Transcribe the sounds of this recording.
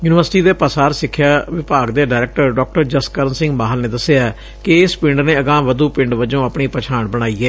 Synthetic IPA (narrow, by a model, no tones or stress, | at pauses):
juːnɪʋəɾsʈiːd̪eːpəsaːɾsɪkʰːjaːʋɪpaːɡd̪eːɖaːɾɛːk̚ʈəɾɖɔːk̚ʈəɾd͡ʒəskəɾənsɪ̃ŋɡmaːɦəlnẽːd̪əseaː | kɪɪspɪɳɖnẽːəɡãːʋəd̪uːpɪ̃ɳɖʋəd͡ʒõːəpɳiːpət͡ʃʰaːɳbəɽ̃aːiːɛː